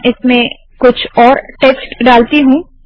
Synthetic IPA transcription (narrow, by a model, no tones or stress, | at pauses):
ʔɪsmẽ | kʊt͡ʃʰɔːɾʈeːsʈɖaːlt̪iɦũ